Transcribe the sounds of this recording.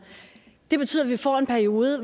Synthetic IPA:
d̥e̝b̥et͡sʰy̰ð̰ˠɐʋifɒ̰e̝npʰæɐio̝ːðˠəʋ

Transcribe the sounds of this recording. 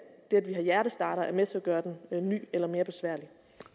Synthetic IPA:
d̥eædʋiɦɑ̈jæɐɾ̥əsd̥ɑ̰̈ːɾɐæɐmet͡sʰe̝æɡ̥ɶːɐd̥enny̰ːelɐme̝ːɐb̥e̝sʋæɐ̰li

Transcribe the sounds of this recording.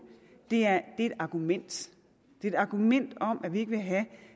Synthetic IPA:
d̥e̝æɐd̥e̝e̝d̥ɑ̈ɡ̥umen̰d̥ | d̥e̝edɾɑ̈ːɡ̥umen̰d̥ɒ̽m̰ʔæʋie̝ɡ̥əʋe̝ɦæ

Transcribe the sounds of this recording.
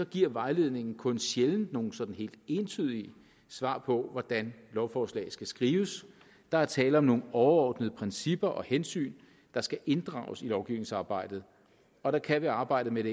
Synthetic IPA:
sɒ̽ɡ̥iɐ̰ʋɑ̈ɪle̝ðˠne̝ŋn̩kʰɔ̽nɕjeln̩no̝ːn̩sɒ̽d̥n̩he̝̰ːld̥e̝nt͡sʰyð̰ˠiə | sʋɑ̰̈ːpʰɒ̽ʋɒd̥ænlɒʊfɒːslɛ̰ɪsɡ̥æsɡ̥ʁiːʊəs | d̥ɑ̈æɐt͡sʰɛːləɒ̽mno̝ːn̩ɒʊɐɒːd̥nəð̞̩ˠəpʰʁɛnsib̥ɐʔɒ̽hensy̰ːn | d̥ɑ̈sɡ̥æʔe̝nd̥ʁɑ̰̈ːʊsilɒʊɡ̥iʊne̝ŋsɑ̈ːb̥ɑ̈ɪ̰d̥ð̩ˠ | ɒ̽ɾ̥ɑ̈kʰæʋiɑ̈ːb̥ɑ̈ɪ̰d̥əmeɾ̥e

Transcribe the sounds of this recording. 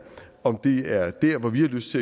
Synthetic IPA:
ɒ̽md̥e̝æɐd̥æɐ̰ʋɒʋihɑ̈løsd̥t͡sʰe̝

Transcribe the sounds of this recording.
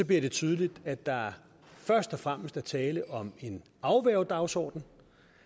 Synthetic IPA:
sɒ̽bliɐɾ̥e̝t͡sʰyːð̞ˠlid̥æd̥ːɑ̈æɐ | fɶɐsd̥ɒ̽fʁam̰əsd̥æɐt͡sʰɛːləʔɒ̽me̝n | ɑ̈ʊʋæɐʊd̥ɑ̈ʊsɒ̰ːd̥n̩

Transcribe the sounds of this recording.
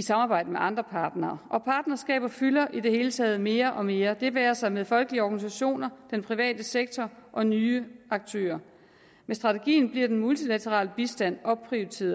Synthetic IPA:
isɑ̈mɑ̈ːbɑ̈ɪd̥əmeʔɑ̈nd̥ʁɐpʰɑ̈ːd̥nɐːʔɒ̽pʰɑ̈ːd̥nɐsɡ̥ɛ̰ːb̥ɐfylɐʔid̥e̝he̝ːlət͡sʰɛːð̞̩ˠme̝ːɐʔɒ̽me̝ːɐd̥e̝ʋæːɐsɑ̈ɪmeðˠfɒ̽lɡ̥əliəɒɡ̥ænis̬æɕo̝̰ːnɐd̥enpʰʁiʋɛ̰ːd̥əseɡ̥̚t͡sʰɒʔɒ̽nyːɑ̈ɡ̥̚t͡sʰø̰ːɐ | mesd̥ʁɑ̈t͡sʰe̝ɡ̥ḭːn̩b̥liɐd̥enmult͡sʰilæt͡sʰəʁɑ̰̈ːləb̥isd̥æn̰ɒ̽pʰʁiʊt͡sʰe̝̰ːɐð

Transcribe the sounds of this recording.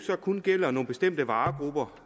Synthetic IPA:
sɒ̽kʰunɡ̥el̰ɐno̝ːn̩b̥e̝sd̥em̰d̥əʋɑ̈ːɡ̥ʁub̥ɐ

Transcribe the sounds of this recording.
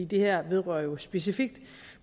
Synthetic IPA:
iːd̥e̝hæɐ̰ʋe̝ðˠʁœ̰ɐjo̝sb̥e̝s̬ifiɡ̥̚d̥

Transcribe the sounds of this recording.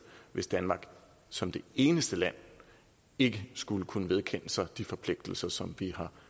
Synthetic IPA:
ʋe̝sd̥ænmɑ̈ɡ̥ | sɒ̽md̥e̝e̝ːnəsd̥əlæn̰ | e̝ɡ̥əsɡ̥uləkʰunəʋe̝ð̞ˠkʰen̰əsɑ̈ɪd̥ifɒ̽pʰle̝ɡ̥̚d̥l̩sɐsɒ̽mʋihɑ̈

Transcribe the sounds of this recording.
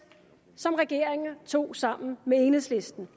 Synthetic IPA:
sɒ̽mʁɛɡ̥e̝ɐ̰eŋɐt͡sʰo̝̰ːsɑ̈m̰n̩mee̝ːnəsle̝sd̥n̩

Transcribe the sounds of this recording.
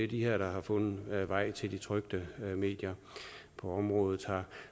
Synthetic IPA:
ed̥iɦeɐ̰ɾ̥ɑ̈ɦɑ̈fɔ̽nð̩ˠʋɑ̈ɪ̰t͡sʰe̝ld̥it͡sʰʁœɡ̥d̥əme̝̰ːd̥jɐ | pʰɒ̽ɒ̽mʁɔ̽ːð̞ˠð̩ˠhɑ̈

